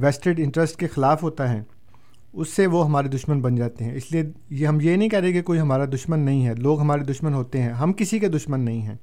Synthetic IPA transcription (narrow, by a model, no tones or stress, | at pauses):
ʋɛːsʈəɖɪ̃ɳʈɾəsʈ̚kexɪlaːfɦoːt̪aɦɛː | ʊsːeʋoɦɐmaːɾed̪ʊʃmənbɐnd͡ʒaːt̪eɦɛ̃ɪsliejɦɐmjenɐɦĩkɛːɾẽːɡekoːiɦɐmaːɾad̪ʊʃmənːɐɦĩɦɛloːɡɦɐmaːɾed̪ʊʃmənɦoːt̪eɦɛ̃ɦɐmkɪsiked̪ʊʃmənːɐɦĩɦɛ̰̃ː